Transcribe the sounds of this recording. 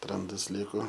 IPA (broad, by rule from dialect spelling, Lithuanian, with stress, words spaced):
ˈrɐndɐs ˈlʲɪkoː